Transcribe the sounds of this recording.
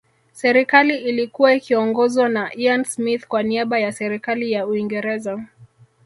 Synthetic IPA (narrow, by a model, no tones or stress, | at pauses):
sɛɾikaliʔilikuwaikiɔŋɡɔzwanaʔiansmiθkwaniaɓajasɛɾikalijauiŋɡɛɾɛza